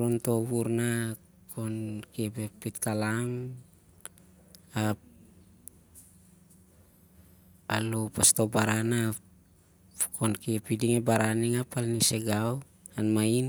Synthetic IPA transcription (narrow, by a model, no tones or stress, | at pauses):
ɾonto̞βuɾna | kʰo̞nkiebepitkalaŋ | a | alupasto̞baɾana | kʰo̞nkiepidiŋebaɾaniŋapalniseɡaw | anmain